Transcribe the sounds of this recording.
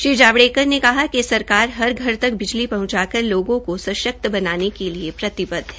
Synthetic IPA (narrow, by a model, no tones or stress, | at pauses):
ʃɾiːd͡ʒaːʋɽeːkəɾnekɐɦakisɐɾkaːɾɦɐɾɡʱɐɾt̪ɐk̚bɪd͡ʒlipɐɦʊ̃t͡ʃaːkəɾloːɡõkosɐʃək̚t̪bɐnaːnekeliepɾɐt̪ɪbəd̪ʱɦɛː